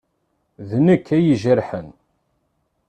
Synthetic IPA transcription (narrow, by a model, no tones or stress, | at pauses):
ðnəkːæjiʒəɾħən